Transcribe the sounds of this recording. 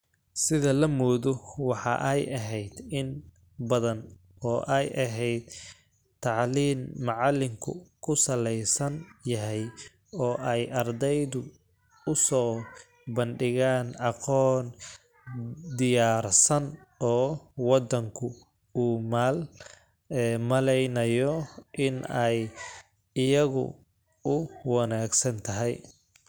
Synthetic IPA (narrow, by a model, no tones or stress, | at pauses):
sɪðɐlɐmɔːðɔwɑħɑ̰ʔɛjʔɐɦɛjd̪ɪn | bɐðɐn | ɔːʔɛjʔɐɦɛjd̪ | t̪ʰːɑʕliːmːɑʕɑlɪŋkʰʊ̰kʰʊsɐlɛjsɐnjɐɦɛj | ɔːʔɛjʔɐrd̪ɛjðʊ | ʊsɔː | bɐnɖɪɣaːnɑqɔːn | d̪ɪjaːrsɐnɔːwɑd̪ɐŋkʰʊ | uːmaːl | ɛmɐlɛjnɐjɔʔɪnɛj | ɪjɐɣʊ̰ | ʊwɑnaːɡsɐnt̪ʰɐɦɛj